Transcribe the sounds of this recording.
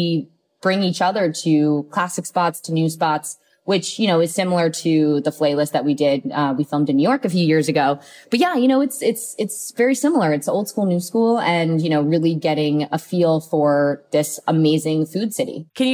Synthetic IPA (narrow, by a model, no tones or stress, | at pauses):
i | b̥ɹɪ̃ŋit͡ʃʌðə˞ɾɨkʰl̥æsɨkspɑtstʰɨnʉspɑts | wɪt͡ʃjɨñoʊɨz̥sɪ̃ml̩ˠə˞ɾɨðəfl̥eɪlɪst̪̚ðɨt̚widɪd̚ʌwifɪlˠmdɨ̃njʉjɔɹkɨfjʉjɪɹzɨɡoʊb̥ʌt̚jæjɨñoʊɨtsɪtsɨtsvɛɹisɪ̃ml̩ˠə˞ɨtsoʊlˠd̥skulˠnʉskulˠɨ̃njɨñoʊɹɪlˠiɡɛɾɪ̃ŋəfilˠfə˞ðɪsəmeɪzɪ̃ŋfʉd̥sɪɾḭkʰɨ̃nj